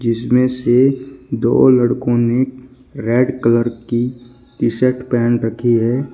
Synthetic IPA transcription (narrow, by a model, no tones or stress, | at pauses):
d͡ʒɪsmẽsed̪o̰ːləɽkõne | ɾeːɖkələɾki | kɪsəʈpɛːnɾəkʰiɦɛː